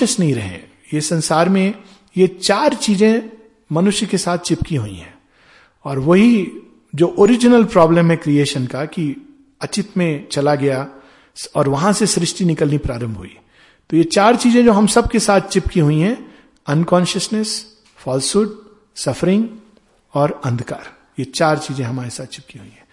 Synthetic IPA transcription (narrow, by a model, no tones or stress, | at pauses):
əsnɐɦĩɾɐ̰ɦḛ̃ | jesɐ̃nsaːɾmẽ | jet͡ʃaːɾt͡ʃiːzẽ | mɐnʊʃjəkesaːt̪̚ʰt͡ʃɪpkiɦuḭ̃ɦɛ̃ː | ɔːɾʋɐɦi | d͡ʒoːʔoːɾɪd͡ʒɪnəlpɾɔːbləmɦɛ̃kɾieːʃənkaki | ɐt͡ʃɪt̪mẽt͡ʃɐlaɡɐja | ɔːɾʋɐɦãsesɾɪʃʈinɪkəlnipɾaːɾə̃mbʱɦṵḭ | t̪ojet͡ʃaːɾt͡ʃiːzẽd͡ʒoːɦɐmsɐb̚kesaːt̪̚ʰt͡ʃɪpkiɦuiɦɛ̃ | ɐnkɔ̃ːnʃəsnes | fɔːlsuːʈ̚ | sɐfʰəɾɪ̃ŋɡ | ɔːɾɐ̃nd̪ʱka̰ːɾ | jet͡ʃaːɾt͡ʃiːzẽɦɐmaːɾesaːt̪̚ʰt͡ʃɪ̥p̚kiɦuiɦɛ̃ː